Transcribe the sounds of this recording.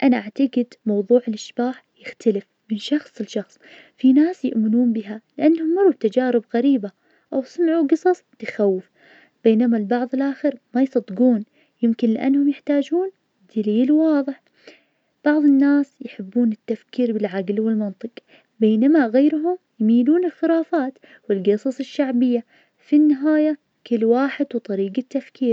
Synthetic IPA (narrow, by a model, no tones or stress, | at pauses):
ʔanaʔaʕt̪aɡɪd̪mɑwðˤuːʕɪlʔɪʃb̥aːħjɪxt̪ʰalɪf | mɪnʃɑxsˤɪlʃɑxsˤ | finaːsjɪʔmɪnuːnbɪɦalɪʔanːhʊmːʊɾˤub̚t̪ad͡ʒaːɾɪbɣaɾiːba | ʔawsˤɨnʕuːɡɨsˤɑsˤt̪axawːɪf | b̥eːnamalbɑʕðˤɨlʔaːxɪɾmajsˤɑd̪ːɡuːn | jɪmkɪnlɪʔa̰nːhʊmjɪħt̪aːd͡ʒuːn | d̪̥aliːlwɑːðˤɨħ | b̥ɑʕðˤɨnːaːsjħɪbːuːnɪt̪ːafkiːɾbɪlʕaɡlwɪlmɑnt̪ˤɨq | beːnamaɣaːɾɦʊm | jmiːluːnɪlxɪɾaːfaːt̪ | wɪlɡɨsˤɑsˤɨʃːaʕbɪjːa | finːɪɦaːja | kɪlːwaːħɪd̪wt̪ˤɑɾiːɡat̪ːafkiːɾ